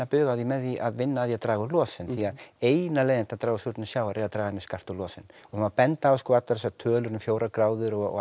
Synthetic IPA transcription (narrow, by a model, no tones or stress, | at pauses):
apʏːɣaðimɛðiʔaðvɪnːaaðjat̪ɾaːɣʏlɔːsɪnθiaðeːjnaleːjðɪnt̪aðt̪ɾaːwɣasut̪nʏsjaːwaɾɛɾaðt̪ɾaːɣamɛskar̥t̪ɔlɔːsɪnɔhunvapɛnt̪aːskɔːat̪laɾsat̪ʰœːlʏɾʏmfjoːwɾakɾaːwðʏɾɔɣɔ̰